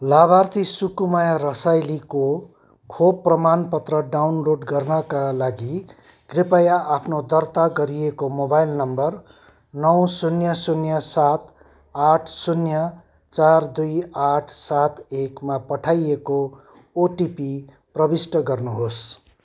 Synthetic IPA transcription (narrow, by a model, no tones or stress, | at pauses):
labart̪ʰisukumajarʌsajliko | kʰob̚pːrʌmanpʌt̪rʌɖawnloɖɡʌrnʌkalaɡi | ɡrepajaʔapʰnod̪ʌrt̪aɡʌɾijekomobajlnʌmbʌr | nʌw̃sunjʌsunjʌsat̪ | aʈʰsunjʌ | t͡sard̪ujaʈʰsat̪ekmapʌʈʰajeko | oʈipi | prʌbisʈʌɡʌrnuɦos